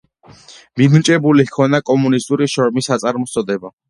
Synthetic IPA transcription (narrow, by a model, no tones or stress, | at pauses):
mid̪mt͡ʃʼɛbulihkʰɔnakʼɔmunist̪ʼuɾiʃɔɾmisat̪sʼaɾmɔst̪sʼɔd̪ɛba